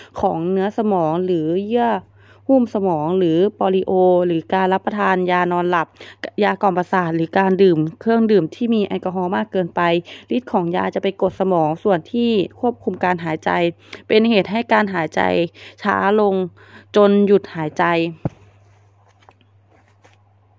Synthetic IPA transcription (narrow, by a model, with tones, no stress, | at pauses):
kʰɔː˩˦ŋnɯ˦˥ɐsa˧mɔː˩˦ŋlɯː˩˦jɯ˥˩ɐ | huː˥˩msa˧mɔː˩˦ŋlɯː˩˦pɔː˧li˧ʔoː˧lɯː˨˩˦kaː˧nla˦˥pːa˧t̪ʰaː˧njaː˧nɔː˧nla˧˩p̚jaː˧kɔː˧˩mpa˧saː˨˩t̪̚lɯː˩˦kaː˧ndɯː˨˩mkʰɯ˥˩əŋdɯː˨˩mt̪ʰiː˥˩miː˧ʔa̰˧˩ka˧ɦɔː˧˦maː˥˩kːɤː˧npa˧jli˦˥t̪̚kʰɔː˩˦ŋjaː˧t͡ɕa˨˩pa˧jko˨˩t̪̚sa˧mɔː˩˦ŋsu˨˩ənt̪ʰiː˧˥˩kʰu˥˩əp̚kʰu˧mkaː˧nɦaː˩˦jt͡ɕa̰˧jpe˧nheː˨˩t̪̚ɦa˥˩jkaː˧nɦaː˩˦jt͡ɕa̰˧jt͡ɕʰa̰ː˩˦lo˧ŋ | t͡ɕo˧nju˨˩t̪̚haː˩˦jt͡ɕa˧j